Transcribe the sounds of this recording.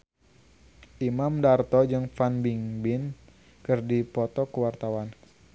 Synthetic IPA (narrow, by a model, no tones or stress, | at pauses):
ʔimamdart̪ɔd͡ʒɨŋfanbiŋbɪn | kɨrdipɔt̪ɔkəwart̪awan